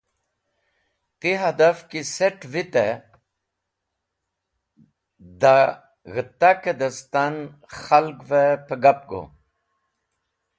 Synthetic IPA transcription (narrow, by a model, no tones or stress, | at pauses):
t̪iɦad̪afkiseʈvit̪e | d̪a | ɣət̪ːaked̪ɐst̪an | xalɡvepəɡap̚ɡo̰